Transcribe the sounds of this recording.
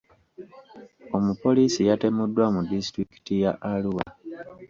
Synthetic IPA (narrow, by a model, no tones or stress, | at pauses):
o̞mupo̞lisijate̞mudːwamudisitɾiki̥tijaʔaluwa̰